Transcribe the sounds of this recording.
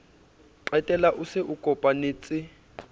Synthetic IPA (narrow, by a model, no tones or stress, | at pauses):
ǃɛtʼɛlaʔusɛʔukʼɔpʼaniːt͡sʼɪ